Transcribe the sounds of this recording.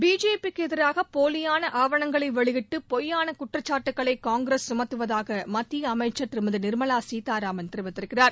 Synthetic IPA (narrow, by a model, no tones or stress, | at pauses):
biːd͡ʒeːpikːɯɛðɪɾaːɣɐpoːlɪjaːnɐʔaːʋɐɳɐŋɡɐɭɐɪʋɛɭɪɣɪʈːɯpɔjːaːnɐkʊʈːrɐt͡ʃːaːʈːɯkːɐɭɐɪkːaːŋɡɾesːʊmɐt̪ːɯʋɐðaːɣɐmɐt̪ːijɐmɐɪt͡ʃːɐt̪ɪɾɯmɯðɯnɪɾmɐlaːsiːt̪aːɾaːmɐnt̪ɪɾɯʋɪt̪ːɪɾɯkːɪraːɾ